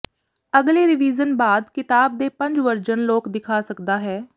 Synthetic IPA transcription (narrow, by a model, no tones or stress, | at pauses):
əɡleːɾɪʋiːzənbaːd̪kɪt̪aːb̚d̪eːpə̃ɲd͡ʒʋəɾd͡ʒənloːkd̪ɪkʰaːsəkd̪aːɦɛː